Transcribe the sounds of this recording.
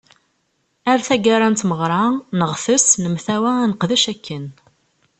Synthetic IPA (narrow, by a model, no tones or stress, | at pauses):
aɾθæɡaɾˤant̪məʁɾˤɑnəʁθəsnəmθæwænəqðæʃækʰːən